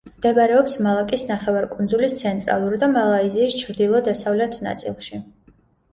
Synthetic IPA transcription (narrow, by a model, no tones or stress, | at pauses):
md̪̥ɛbaɾɛɔpsmalˠakʼisnaχɛvaɾkʼund̪zulist̪sʰɛnt̪ʼɾa̰lˠuɾid̪amalˠaiziːst͡ʃʰɾd̪ilˠɔd̪asavlɛt̪ʰna̰t̪sʼḭlˠʃi